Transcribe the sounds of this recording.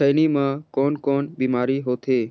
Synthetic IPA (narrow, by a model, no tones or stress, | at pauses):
əɪnimãkɔːnkɔːnbiːmaːɾiɦoːt̪ʰeː